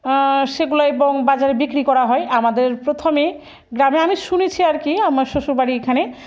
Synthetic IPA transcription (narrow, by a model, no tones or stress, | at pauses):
ʃeɡulaeboŋbad͡ʑaɾebikɾikɔɾaɦɔeʔamad̪eɾpɾot̪ʰome | ɡɾameamiʃunit͡ɕʰiaɾkiamaɾʃoʃuɾbaɽiekʰane